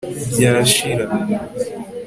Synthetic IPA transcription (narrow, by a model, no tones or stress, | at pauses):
bjaːʃiɾan